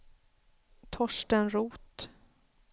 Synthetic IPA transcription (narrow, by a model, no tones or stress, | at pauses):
t̪ʰɔʂʈənɾuːt̪